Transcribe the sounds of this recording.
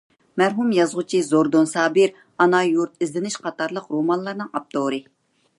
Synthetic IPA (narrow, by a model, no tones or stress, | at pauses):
mæɾɦumjɑzʁʊt͡ʃʰizoɾd̪onsɑːbɨɾ | ɑnɑjuɾt̪̚ʰizlɪnɪʃqʰɑt̪ʰɑɾlˠəqɾomɑnlˠɑɾnɨŋɑp̚t̪ʰoɾɨ